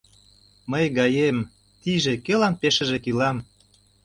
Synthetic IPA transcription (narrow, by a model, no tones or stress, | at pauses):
məjɡɑjem | t̪iʒekelɑmpeʃə̆ʒekilɑm